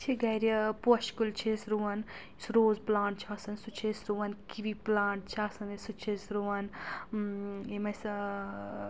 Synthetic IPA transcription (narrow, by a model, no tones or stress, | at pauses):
t͡ʃʰiɡɐjɾʲɐpoʃkult͡ʃʰesɾuʋɐn | sɾoːzplaːɳʈ̚t͡ʃʰiɐsɐnsut͡ʃʰesɾuʋɐnkiʋiplaːɳʈ̚t͡ʃʰasɐnisut͡ʃʰesɾuʋɐn | emɐs